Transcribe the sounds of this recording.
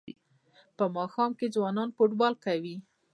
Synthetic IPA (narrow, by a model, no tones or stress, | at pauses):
pəmɑxɑmked͡zwɑnɑnfoʈbɑlkawi